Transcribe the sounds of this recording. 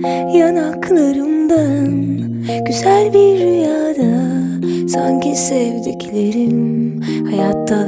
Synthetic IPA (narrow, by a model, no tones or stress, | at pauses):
janakʰlˠaɾɯmd̪an | ɟ̥yzælʲbiɾːyjaːd̪a | saɲcʰisevd̪ecʰilʲeɾim | hajat̪ʰːa